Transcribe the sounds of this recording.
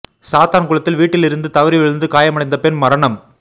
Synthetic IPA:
saːt̪aːnkʊɭɐt̪ːɪlʋiːʈːɪlɪɾɯnd̪ɯt̪ɐʋɐɾiʋɛɻɯnd̪ɯkaːjɐmɐɽɐɪnd̪ɐpɛnmɐɾɐɳɐm

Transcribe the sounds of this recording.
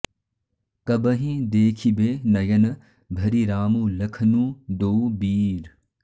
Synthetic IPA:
kɐbɐɦĩd̪eːkʰibeːnɐjɐn | bʱɐɾiɾaːmũːlɐkʰnũːd̪oːbiːɾ

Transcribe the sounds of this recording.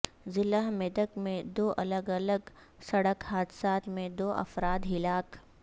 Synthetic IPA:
zɪləɦmɛd̪əkmẽd̪oːʔɐləɡɐləɡ | sɐɽəkhaːd̪ɪsaːt̪mẽd̪oːʔɐ̰fɾaːd̪ɦɪlaːk

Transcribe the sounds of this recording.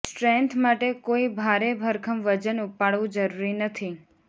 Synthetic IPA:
sʈɾɛnt̪ʰmaʈekoibʱaɾebʱəɾkʰəmʋəd͡ʒənupaɽʋũd͡ʒəɾuɾinət̪ʰi

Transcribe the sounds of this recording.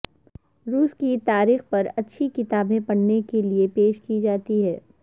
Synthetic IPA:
ɾuːskit̪aːɾiːxpɐɾɐtːʃʰikɪt̪aːbẽpɐɽnekeliepeːʃkid͡ʒaːt̪iɦɛː

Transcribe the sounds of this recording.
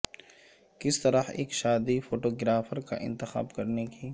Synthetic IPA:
kɪst̪ɐɾəhḛːkʃaːd̪ifoːʈoːɡɾaːfəɾka̰ʔɪ̰̃nt̪ɪxa̰ːbkɐɾneki

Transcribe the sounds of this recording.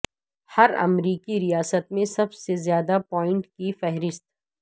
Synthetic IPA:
hɐɾɐ̰mɾiːkiɾijaːsət̪̚mẽsɐbsezjaːd̪apɔːɪ̃ɳʈkifɛɦɾɪst̪̚

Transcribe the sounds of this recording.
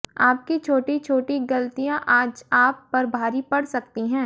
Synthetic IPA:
aːp̚kit͡ʃʰoːʈit͡ʃʰoːʈiɡɐlt̪ijãʔaːd͡ʒaːpːɐɾbʱaːɾipɐɽsɐkt̪iɦɛ̃ː

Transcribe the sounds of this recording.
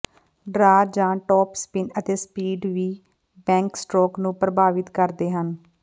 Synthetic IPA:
ɖɾaːd͡ʒãːʈɔːpspɪnət̪eːspiːɖʋiː | bɛ̃ːŋksʈɾoːknũːpɾəbaːʋɪt̪kəɾd̪eːɦən

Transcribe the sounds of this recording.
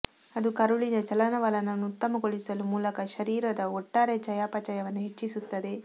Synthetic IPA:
ɐd̪ukɐɾuɭinɐt͡ʃɐlɐnɐʋɐlɐnɐnːuut̪ːɐmɐɡoɭisɐlumuːlɐkɐʃɐɾiːɾɐd̪ɐɔʈːaːɾet͡ʃɐjaːpɐt͡ʃɐjɐʋɐnːuɦet͡ʃːisut̪ːɐd̪e̞

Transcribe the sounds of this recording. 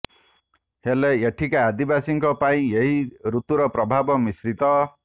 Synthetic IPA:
heleeʈʰikaːd̪ibasiŋkɔpaĩeɦiɾut̪uɾɔpɾɔbʱabɔmisɾit̪ɔ

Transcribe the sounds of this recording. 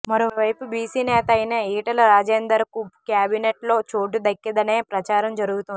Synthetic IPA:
mɐɾoːʋɐjpubiːsiːnɛːt̪ɐɐjnɐiːʈɐlɐɾaːd͡ʒeːnd̪ɐɾɐkukjaːbineʈlo̞ːt͡ʃoːʈ̬ud̪ɐkːɐd̪ɐne̞ːpɾɐt͡ʃaːɾɐmd͡ʒɐɾuɡut̪uni

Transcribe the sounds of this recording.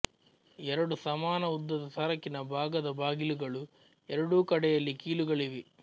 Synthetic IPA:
ɛɾɐɽusɐmaːnɐud̪ːɐd̪ɐt̪ʰɐɾɐkːinɐbʱaːɡɐd̪ɐbʱaːɡiluɡɐɭu | ɛɾɐɽuːkɐɽɛjɐlːikiːluɡɐɭiʋi

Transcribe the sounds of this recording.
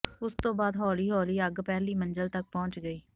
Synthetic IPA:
ʊst̪õːbaːd̪ɦɔːliːɦɔːliːəɡpɛːliːmənd͡ʒəlt̪ək̚pɔ̃ːnt͡ʃɡəiː

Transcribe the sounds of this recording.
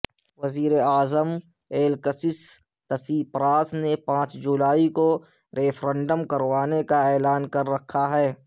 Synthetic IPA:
ʋɐziːɾeaːzəm | eːlkəsɪs | t̪ɐsiːpɾaːsnepãːt͡ʃd͡ʒulaːiko | ɾeːfʰɾɛ̃ɳɖəmkɐɾʋaːnekaɛːlaːnkɐɾːɐkʰːaɦɛː

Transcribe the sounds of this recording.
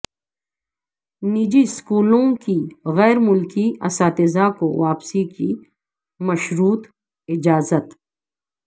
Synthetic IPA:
niːd͡ʒiskuːlõkiɣɛːɾmʊlkiɐ̰saːt̪ɪzakoʋaːpsiki | mɐʃɾuːt̪ | ɪd͡ʒaːzət̪

